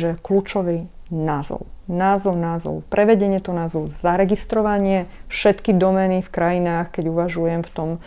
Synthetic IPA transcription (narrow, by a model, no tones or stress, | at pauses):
ʒɛkluːt͡ʃɔʋinazɔ̰ʊnaːzɔʊnaːzɔ̰ʊpɾʔɛʋɛɟɛɲɪɛt̪ɔnaːzɔʊzaɾɛɡist̪ɾɔʋaɲɪɛfʃɛt̪kid̪ɔmɛnifkɾajinaːxkɛɟuʋaʒujɛmft̪ɔm